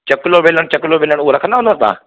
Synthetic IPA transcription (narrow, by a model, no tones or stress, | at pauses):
t͡ɕɐkɪloʋeːləɽ̃t͡ɕɐkloʋeːləɽ̃uoɾɐkʰənd̪aɦũnʱəɾt̪a̰ː